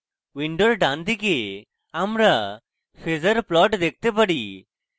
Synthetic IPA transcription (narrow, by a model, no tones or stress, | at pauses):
ʋiɳɖoɾɖãnd̪ike | amɾa | pʰezəɾplɔʈd̪ek̚t̪epəɽi